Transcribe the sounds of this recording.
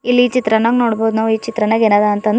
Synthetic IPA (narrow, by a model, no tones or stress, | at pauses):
ilːiːt͡ʃit̪ɾɐnaːɡnoːɽboːd̪nɐʋiːt͡ʃit̪ɾɐnaːɡeːnaːd̪aɐnt̪ɐn